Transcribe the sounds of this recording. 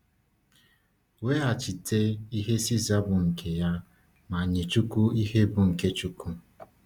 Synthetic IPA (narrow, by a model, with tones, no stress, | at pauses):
we˦a˨t͡ʃi˨tʰe˦i˦ɦe˦si˦za˦bʊ˨ŋ̩˨kʰe˨ja˦ | ma˨ɲɪ˨t͡ʃu˦ku˦i˦he˦bʊ˨ŋ̩˨ke˦t͡ʃu˦ku˦